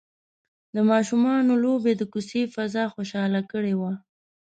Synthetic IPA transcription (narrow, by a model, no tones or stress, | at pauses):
d̪əmɑʃumɑnolobed̪əkusefazɑxoʃɑlakəɽewa